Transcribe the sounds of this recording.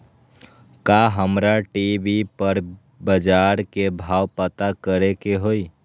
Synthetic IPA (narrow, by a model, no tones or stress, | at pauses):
kaɦəmɾaʈibipəɾ | bəd͡ʒaːɾkebʱaːwpət̪akəɾekeɦoi